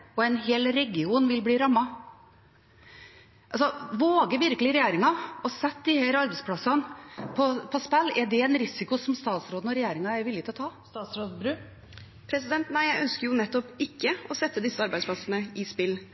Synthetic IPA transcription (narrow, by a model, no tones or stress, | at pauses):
ɔɛnɦeːlɾɛɡɪuːnʋɪlbliːɾɑmːɑ | ʔɑlsɔʋoːɡəʋɪɾkəlɪɾɛjeːɾɪŋɑɔsɛt̪̚ːd̪ihæːɾɑɾbæɪspʰlɑsɑnpʰɔpʰɔspɛlːɛɖɛɛnɾɪsɪkʊsɔmst̪ɑːt̪sɾoːd̪n̩ɔɾɛjeːɾɪŋɑɛɾʋɪlːɪt̪ɪlɔt̪ʰɑː | t̪ɑsɾoːbɾʉ | pʰɾɛs̬ɪd̪ɛnt̪næɪjæɪʔœnskəɾjʊnɛt̪ːɔpɪkːəɔsɛt̪ːəd̪ɪsːəɑɾbæɪd̪spʰlɑsənəɪspɪlː